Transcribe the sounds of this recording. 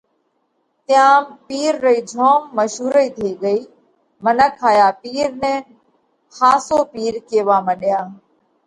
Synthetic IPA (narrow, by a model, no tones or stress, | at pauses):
t̪ɪjãːpiːɾːəiːd͡ʒʱɔːmːəʃɦuːɾəiːt̪ʰeːɡəiː | mənəkʰːaːjaːpiːɾnɛ̃ː | xaːsoːpiːɾkeːʋaːməɗɪjaː